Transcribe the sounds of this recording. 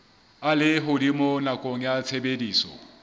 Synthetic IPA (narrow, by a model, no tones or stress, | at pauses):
alɪɦʊdimonakʼoŋ̩jat͡sʰebediːsɔ̰